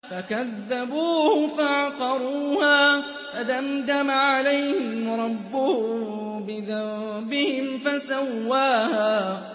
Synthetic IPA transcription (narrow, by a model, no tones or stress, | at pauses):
fakaðːabuːhʊfaʕɑqɑɾˤuːhaː | fad̪amd̪amaʕalajhhɪɪmɾˤɑbːʊhʊbɪðabɪhɪmfasawːaːhaː